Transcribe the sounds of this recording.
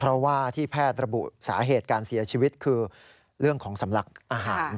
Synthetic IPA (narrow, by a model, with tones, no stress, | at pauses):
pʰɾɔ˦˥waː˥˩t̪ʰiː˥˩pʰɛː˥˩t̪̚ɾa˧bṵ˨˩ʔsaː˩˦ɦeː˨˩t̪̚kaː˧nsi˨˩˦ɐt͡ɕʰiː˧wi˦˥t̪̚kʰɯː˧ | ɾɯ˥˩əŋkʰɔː˩˦ŋsa˩˦mla˨˩k̚ʔaː˧ɦaː˨˩˦n